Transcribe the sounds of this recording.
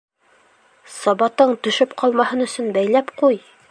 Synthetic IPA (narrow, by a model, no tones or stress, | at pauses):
sɑbɑt̪ɤɴt̪ɵ̆ʃɘpqʰɑlˠmɑhɤnɵ̆sɵnbæjlæpquj